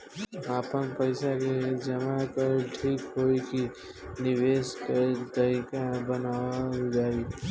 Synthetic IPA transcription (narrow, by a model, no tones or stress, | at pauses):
aːpənpəɪsaked͡ʒəmakəɾʈʰiːkɦoiki | nɪʋeːsket̪əɾiːkabənaːwaɦid͡ʒaːi